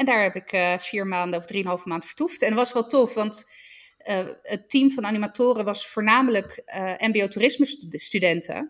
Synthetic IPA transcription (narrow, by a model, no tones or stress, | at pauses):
ɛndaːɹɦɛpɪkfiːɹmaːndəɔvdriənɦɑlˠvəmaːntfə̥ɹtuftɛnʋɑsʋɛlˠtɔfʋɑnt | ətimvɑnanimatʊːrəʋɑsfʊːɹnaːmələkʔɛmbioturɪsməsstydɛntʰə̰